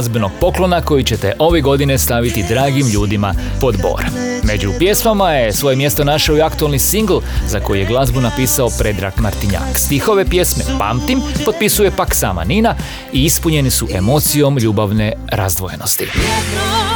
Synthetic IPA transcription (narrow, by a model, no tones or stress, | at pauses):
zbno̞ɡ̚po̞klo̞nako̞jit͡ɕe̞t̪e̞ʔo̞ʋe̞ɡo̞d̪ine̞st̪aʋit̪id̪ɾaːɡimʎuːd̪ima | po̞d̪bo̞̰ːɾa | me̞d͡ʒupje̞smamajesʋo̞jemje̞st̪o̞naʃaoiakt̪uelnisiŋɡl̩ˠzako̞jije̞ɡlˠazbunapiːsaopɾe̞d̪ɾa̰kmaɾt̪iɲa̰kst̪ixo̞ʋe̞pje̞sme̞pa̰ːmt̪impo̞t̪̚pisuje̞paksa̰ːma̰nina | iispuɲe̞nisuʔe̞mo̞t̪sijo̞mʎuːbaʋne̞ɾa̰zd̪ʋo̞je̞no̞st̪ḭ